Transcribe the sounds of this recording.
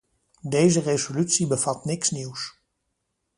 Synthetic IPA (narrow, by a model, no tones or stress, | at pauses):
dejzərezolytsibəv̥ɑtnɪksniws